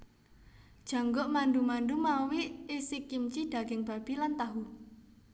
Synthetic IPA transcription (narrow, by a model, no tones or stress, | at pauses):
d̥ʒ̥ä̤ŋɡɔʔmanɖumanɖumawiʔisɪkːimt͡ʃid̪̥ä̤ɡ̥ɪŋb̥a̤b̥ilant̪aɦu